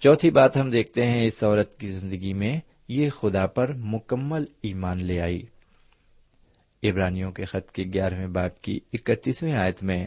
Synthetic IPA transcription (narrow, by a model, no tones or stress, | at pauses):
t͡ʃɔːt̪ʰibaːt̪ɦɐmd̪eːk̚ʰt̪eɦɛ̃ɪsɔːɾət̪kizɪ̃nd̪əɡimẽ | jexʊd̪apɐɾmʊkəmːəliːmaːnleaːḭː | ɪbɾaːnijõkexɐt̪keɡjaːɾmẽbaːb̚kḭɪkət̪ːiːswĩaːjət̪mẽː